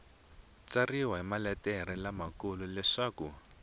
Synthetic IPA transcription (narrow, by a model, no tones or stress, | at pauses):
t͡sariwaɦimalɛtɛɾilamakululɛʂaːku